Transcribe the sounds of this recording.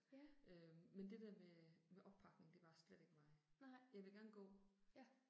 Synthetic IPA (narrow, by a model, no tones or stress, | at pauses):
ømmend̥e̝d̥æɐ̰memeʔɒ̽b̥̚pʰɑ̈ɡ̥ne̝ŋ̩d̥e̝ʋɑ̈sled̥e̝ɡ̥əmɑ̈ɪjɑ̈ɪʋe̝ɡ̥æɐnəɡ̥ɔ̰ː